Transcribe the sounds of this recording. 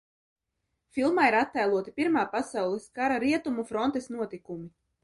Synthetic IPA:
filˠmaːiɾat̪ːajlˠuɔt̪ipiɾmaːpasawlˠɛskaɾaɾiɛt̪umufɾɔnt̪ɛsnuɔt̪ikumi

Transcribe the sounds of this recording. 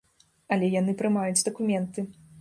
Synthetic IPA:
ɐlʲɛjanɨpɾɨmajud͡zʲd̪ɐkumʲɛnt̪ɨ

